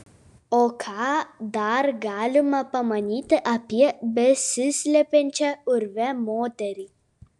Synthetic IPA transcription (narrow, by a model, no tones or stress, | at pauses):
okʰaːd̪aːɾɡaːlumɐpɐmɐnʲiːt̪ɨʔɐpiɐbesɨslʲepenʲt͡ʃɐuɾʋɛmoːt̪ɐɾi